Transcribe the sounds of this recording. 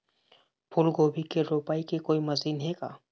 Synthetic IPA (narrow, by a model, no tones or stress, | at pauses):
pʰʊlɡoːbʱikeɾoːpaːikekoːimɐziːnɦeːɡa̰ː